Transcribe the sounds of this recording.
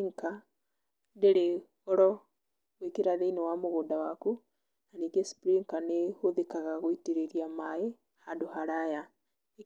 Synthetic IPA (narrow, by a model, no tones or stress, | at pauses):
ŋka | ndeɾe | ɔɾɔ | wekeɾaðeinewamoɣoːndawaku | naniɡespɾiŋkanehoðekaɣaɣoiteɾeɾiamae | handohaɾaja